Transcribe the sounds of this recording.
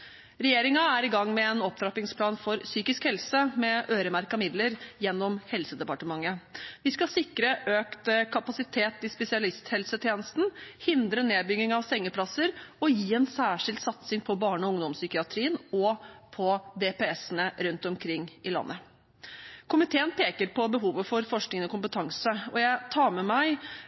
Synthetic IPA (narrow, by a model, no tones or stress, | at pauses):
ɾɛjeːɾɪŋɑæɾɪɡɑŋːmɛɛnɔp̚t̪ʰɾɑpɪŋspʰlɑːnfɔɾsyːkɪskhɛlsəmɛʔøːɾəmæɾkɑmɪd̪ləɾjɛnːɔmhɛlsəd̪ɛpɑʈəmɑŋːəʋɪskɑsɪkɾəʔøːkt̪kʰɑpɑsɪt̪ʰeːt̪ɪspɛsɪɑlɪst̪hɛlsət̪ʰjeːnəst̪n̩hɪnd̪ɾəneːd̪̚bʏɡ̪ɪŋɑʋsɛŋːəpʰlɑsəɾɔjiːɛnsæːʂɪld̪sɑt̪sɪŋpʰɔbɑːɳɔʊŋd̪ɔmsʏkɪɑt̪ʰɾiːənɔpʰɔd̪epɛɛsənəɾʉnt̪ɔmkʰɾɪŋːʔɪlɑ̰nːʔə | kʰʊmɪt̪ʰeːənpʰeːkəɾpɔbəɦuːʋəfɔɾfɔʂknɪŋənɔkʰʊmpət̪ʰɑŋsəɔjæɪt̪ʰɑːɾmɛmæɪ